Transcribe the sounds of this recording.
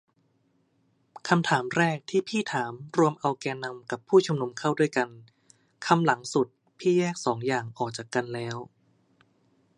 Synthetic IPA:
kʰa˧mt̪ʰaː˩˦mɾɛː˥˩k̚t̪ʰiː˥˩pʰiː˥˩t̪ʰaː˩˦mɾu˧əmʔa˧wkɛː˧nːa˧mka˨˩pʰːuː˥˩t͡ɕʰu˧mnu˧mkʰa˥˩wdu˥˩əjka˧n | kʰa˧mla˩˦ŋsu˨˩t̪̚ | pʰiː˥˩jɛː˥˩k̚sɔː˩˦ŋjaː˨˩ŋʔɔː˨˩k̚t͡ɕaː˨˩kːa˧nlɛː˦˥w

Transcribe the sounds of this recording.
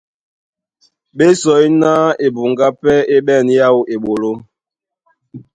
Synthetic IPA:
ɓe˦sɔ˨˦i˦na˦e˨bu˨ŋɡa˦pɛ˦e˦ɓɛ˦˨nja˦˨we˨ɓo˨lo˦

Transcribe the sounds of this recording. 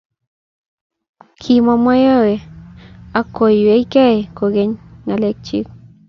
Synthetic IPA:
kʰi˨mɔ˧mɔ˦jɔ˦we˨ | a˨ko˨je˦i˦kɛ˦e˨ko˨ɡe˦ɲŋa˨le˦k̚t͡ʃḭ˦k̚

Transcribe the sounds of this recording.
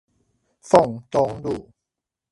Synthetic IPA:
fo˥˩ŋt̪o˧˥ŋduː˨˩

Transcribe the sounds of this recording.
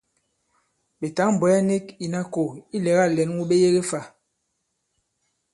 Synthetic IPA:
ɓe˨ta˨˦m̩˨bɔ˨˦a˦ne˦ki˨na˦ko˨i˦lɛ˨˦ɣa˦˨lɛ˨˦n˦wu˦ɓe˦je˦ɣe˦fa˨

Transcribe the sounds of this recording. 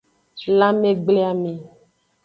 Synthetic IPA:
la˦me˦ɡ͡ble˦a˨me˨

